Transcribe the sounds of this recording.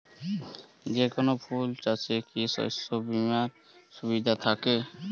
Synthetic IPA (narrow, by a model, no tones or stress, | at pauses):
d͡ʑekonopʰult͡ɕat͡ɕʰekiʃɔ̰sobimaɾ | ʃubid̪ʱat̪ʰake